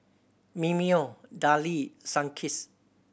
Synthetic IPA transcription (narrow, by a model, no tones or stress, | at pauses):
mimiodalisãŋkʰis